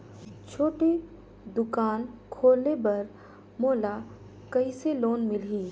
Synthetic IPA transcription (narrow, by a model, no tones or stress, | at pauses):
t͡ʃʰoːʈi | d̪ʊkaːnkʰoːlebɐɾ | moːla | kɐiseloːnmɪlɦiː